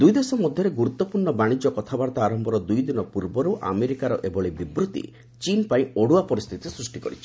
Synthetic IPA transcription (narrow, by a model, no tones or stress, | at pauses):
d̪ujd̪esɔmɔd̪ʱjɔɾeɡuɾut̪ːɔpuɾɳɔbaɽ̃id͡ʒɔkɔt̪ʰabaɾt̪aːɾɔmbɔɾɔd̪ujd̪inɔpuɾbɔɾuʔa̰meɾikaɾɔʔebɔɭebibɾut̪ḭ | t͡ʃinpaĩoɽuapɔɾist̪ʰit̪isɾusʈikɔ̰ɾit͡ʃʰi̥